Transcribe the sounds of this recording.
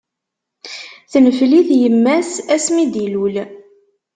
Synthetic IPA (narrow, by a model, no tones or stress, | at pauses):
θnəfliθjəmːæsæsmid̪ilul